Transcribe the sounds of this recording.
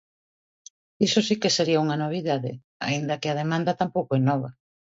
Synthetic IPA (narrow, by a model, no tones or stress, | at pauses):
isosikeseɾiauŋɐnoβ̞iðaðɪ̰ | a̰ind̪ɐkɪað̞emãnd̪ɐt̪ampowkoɛnɔβ̞ɐ